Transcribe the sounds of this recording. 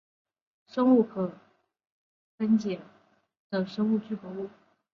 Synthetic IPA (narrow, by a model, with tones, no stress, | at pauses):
ʂɤ˥ŋu˥˩kʰɤ˨˩ | fə˥nt͡ɕjɛ˨˩˦ | d̪ə˨ʂɤ˥ŋu˥˧t͡ɕy˥˩pɔ˧˥u˥˩